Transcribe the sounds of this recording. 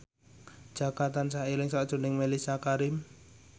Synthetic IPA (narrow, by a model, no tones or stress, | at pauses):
d̥d͡ʒ̥aɡat̪ansailɪŋsad̥ʒ̥ɔ̤nɪŋmelisiakaɾɪm